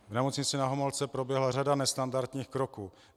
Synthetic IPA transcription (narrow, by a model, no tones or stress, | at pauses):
vnɛmo̞t͡sɲɪt͡sɪnaɦomolt͡sɛpɾo̞bjɛɦlar̝adanɛst̪andaɾt̪ɲiːxkɾo̞kuː